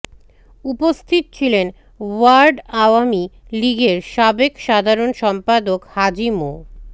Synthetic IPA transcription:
upost̪ʰit̪̚t͡ɕʰilen | waɾɖaoamiliɡeɾʃabekʃad̪ʱaɾonʃɔmpad̪okhad͡ʑimo

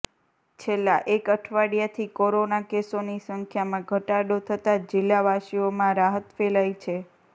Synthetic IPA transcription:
t͡ʃʰelːãʔekəʈʰʋaɽijat̪ʰikoɾonakesonisəŋkʰjamãɡʱəʈaɽot̪ʰət̪ad͡ʒɪlːaʋaʃiomãɾaɦət̪felajt͡ʃʰe

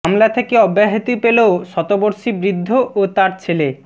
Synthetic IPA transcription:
amlat̪ʰekeɔbːaɦit̪ipeleoʃɔt̪oboɾʃibɾid̪ʱːoʔot̪aɾt͡ɕʰele

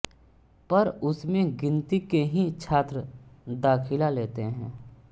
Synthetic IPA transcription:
pɐɾʊsmẽɡɪ̃nt̪ikeɦĩt͡ʃʰaːt̪ɾəd̪aːkʰɪlaleːt̪eɦɛ̃ː

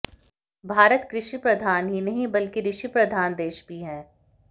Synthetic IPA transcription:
bʱaːɾət̪kɾɪʃipɾɐd̪ʱaːnɦinɐɦĩbɐlkiɾɪʃipɾɐd̪ʱaːnd̪eːʃbʱiɦɛ̃ː

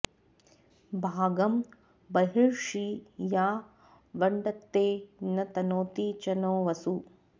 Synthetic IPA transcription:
bʱaːɡɐm | bɐɦiɭʂijaː | ʋɐɳɖɐt̪ːeːnɐt̪ɐnoːt̪iːt͡ʃɐnoːʋɐsu

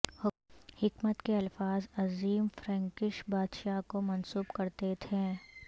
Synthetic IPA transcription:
hɪkmət̪keɐlfaːzɐziːmfɾɛ̃ːŋkɪʃbaːd̪ʃakomɐnsuːbkɐɾt̪et̪ʰẽː

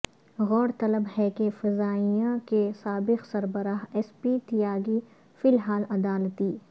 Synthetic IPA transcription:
ɣɔːɾt̪ɐləbhɛkefɪzaːijãkesaːbɪqsɐɾbəɾaːɦɛːspiːt̪ijaːɡi | fɪlɦaːlɐd̪aːlt̪iː

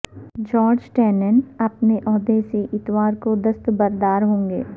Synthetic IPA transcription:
d͡ʒɔːɾd͡ʒʈɛːnənɐpneʔɔːd̪eseʔɪt̪waːɾkod̪ɐst̪bɐɾd̪aːɾɦõːŋɡḛː

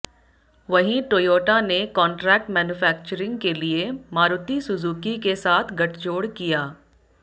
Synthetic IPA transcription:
ʋɐɦĩʈoːjoːʈanekɔ̃ːɳʈɾɛːk̚ʈmɛːnufɛːk̚t͡ʃəɾɪ̃ŋɡkeliemaːɾʊt̪isʊzuːkikesaːt̪ʰɡɐʈʰd͡ʒoːɽkijaː

